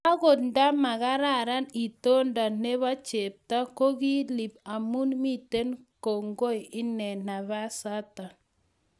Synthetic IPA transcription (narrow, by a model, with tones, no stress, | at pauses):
a˦ɣo˨d̚nda˦ma˨ɣa˦ɾa˦˨ɾa˦ni˨to˦nda˨ne˦βa˦t͡ʃe˨p̚ta˦ko˦ɡi˦li˨pa˨mu˦nmi˦te˦nko˨ŋɡo˦i˨ɪ˦nɛ˨na˨βa˦sa˦ta˨